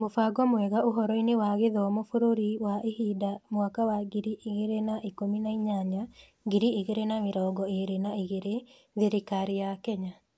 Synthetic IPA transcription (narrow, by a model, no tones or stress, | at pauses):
mofaːɡɔmwɛɣaʔoɦɔɾɔinewaɣeðɔmofoɾoɾiwaʔehiːdamwakawaɡiɾiʔiɣeɾenaʔikominaiɲaɲa | ɡiɾieɣeɾenameɾɔːɡɔeɾenaiɣeɾe | ðeɾekaɾejakɛɲa